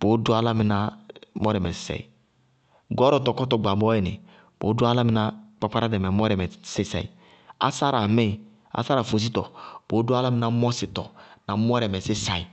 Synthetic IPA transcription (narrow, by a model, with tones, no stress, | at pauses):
b̥o˨˦du˦a˦la˦mi˨na˨mo˦ɾɛ˨mɛ˨ssɛ̰˨i˨ | ɡɔ˦ɾɔ˦˨to˨kɔ˦tɔ˨ɡ͡ba˨bɔ˦ɛ˨nḭ˨ | b̥o̰˨˦du˦a˦la˦mi˦na˦k͡pa˦k͡pa˦ɾa˦dɛ˨mɛ˨˦mɔ˦ɾɛ˨mɛ˨se˦sɛ̰˨i˨ | a̰˦sa˦ɾa˨me˦˨ | a̰˨sa˦ɾa˨fo˨s̬i˦tɔ̰˨b̥o˨˦du˦a˦la˦mi˨na˨˦mɔ˦si˨tɔ̰˨na˨m˦ɔ˦ɾɛ˨mɛ˨si˦sa˨i˨